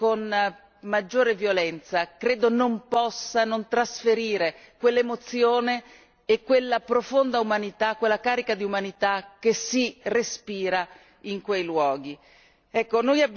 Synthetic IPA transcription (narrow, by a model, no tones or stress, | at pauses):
kon | mad͡ʒːoːɾevjolɛnt̪sakɾeːd̪onompɔsːanont̪ɾasfeɾiːɾekwelːemot̪sjoːneː | kːwelːapɾofond̪aumanit̪akːwelːakaːɾikad̪iumanit̪ak̟ːesirespiːɾa | iŋkwejlwɔːɡi | ɛkːonojab